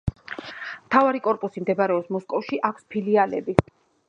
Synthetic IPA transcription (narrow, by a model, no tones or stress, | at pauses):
mt̪ʰavaɾikʼɔɾpʼusimd̪ɛbaɾɛɔpsmɔskʼɔfʃiʔakʷʰspʰilialɛ̰bi